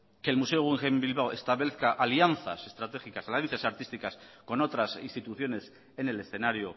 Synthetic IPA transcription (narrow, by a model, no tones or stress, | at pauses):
ke̞lmuse̞oɣiŋxembilβawest̪aβleθkaʔalianθa̰se̞st̪ɾat̪e̞xikasalanθjasaɾt̪ist̪ikasko̞no̞t̪ɾasinst̪it̪uθjo̞ne̞s | e̞ne̞le̞sθe̞naɾjo